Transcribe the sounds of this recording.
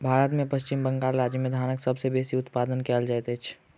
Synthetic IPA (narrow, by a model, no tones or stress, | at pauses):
bʱaːɾət̪mẽpəst͡ʃɪmbə̃ŋɡaːɾɾaːd͡ʒimẽd̪ʱaːnəksəbsebeːsiʊt̪paːd̪ənkɛːld͡ʒaɛt̪et͡ʃʰ